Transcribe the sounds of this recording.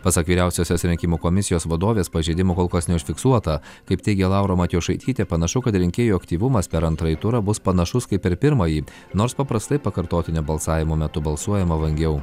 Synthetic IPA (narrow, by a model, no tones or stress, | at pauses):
pɐsɐkʋʲiːɾʲæˑʊsʲoːsʲosɾʲɛŋʲkʲɪmuːkomʲɪsʲɪjoːsʋɐd̪oːʋʲeːspɐʒʲɛɪd̪ʲɪmokoːlˠkɐsnʲɛʊʃʲfʲɪksuɔt̪ɐ | kɐɪpt̪ʲɛɪɡʲɛlˠɑʊɾoːmɐt̪ʲjoːʃɐɪt̪ʲiːt̪ʲeːpɐnɐʃʊkɐt̪ɾʲɪŋʲkʲeːjuːɐkt̪ʲiːʋʊmɐspʲɛɾɐnt̪ɾɐɪt̪ʊɾɐbʊspɐnɐʃʊskɐɪpʲɪɾpʲɪɾmɐjiː | noːɾspɐpɾɐst̪ɐɪpɐkɐɾt̪oːt̪ʲɪnʲɛbɐlˠsɑːʋʲɪmoːmʲɛt̪ʊbɐlˠsuɔjɛmɐʋɐŋʲɡʲɛʊ